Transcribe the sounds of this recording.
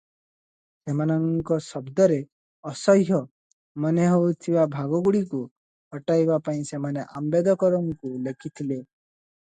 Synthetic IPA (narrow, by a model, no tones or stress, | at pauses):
semanɔŋkɔsɔbd̪ɔɾe | ɔsɔɦɦjɔ | mɔneɦowt̪ʰibabʱaɡɔɡuɽiku | ɔʈajbapaĩsemaneʔambed̪ɔkɔɾɔŋkulekʰit̪ʰile